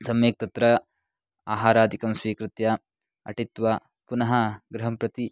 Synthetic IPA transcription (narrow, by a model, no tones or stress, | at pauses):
sɐmeːk̚t̪ɐt̪ɾɐ | aːɦaːɾaːd̪ikɐmsʋiːkɾɪt̪jɐ | ɐ̰ʈit̪ʋɐ | punɐɦɐɡɾɐɦɐmpɾɐt̪i